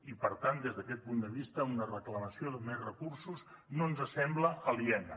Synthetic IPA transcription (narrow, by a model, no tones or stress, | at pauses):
ipəɾt̪and̪ezðəkɛt̪̚pund̪əβist̪əunərəkləməsioðəmezrəkursuz | nonzəsɛmbləʔəliɛnə